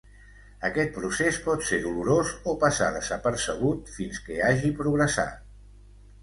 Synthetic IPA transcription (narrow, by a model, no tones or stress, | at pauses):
əkɛt̪̚pɾusespɔt̪seɾðuluɾozopəsa̰ðəzəpəɾsəɣut̪finskəaʒipɾuɣɾəsa̰t̪